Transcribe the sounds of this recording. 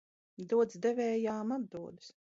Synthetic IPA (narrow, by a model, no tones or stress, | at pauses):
d̪uɔd̪zd̪ɛvɛːjaːmad̪̚d̪uɔd̪ɨs